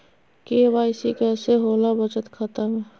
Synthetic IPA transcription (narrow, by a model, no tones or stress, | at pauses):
keːbaːɪsikɛːseɦoːlabət͡ʃət̪kʰət̪əmɦɛ